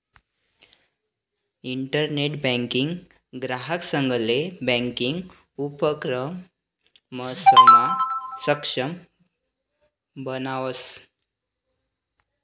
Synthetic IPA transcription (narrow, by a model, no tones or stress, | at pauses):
iɳʈəɾneʈbɛ̃ŋkiŋɡ | ɡɾaɦəksəŋɡʱəlebɛ̃ŋkiŋɡ | upəkɾəm | məsəmasəkʂəm | bənaʋəs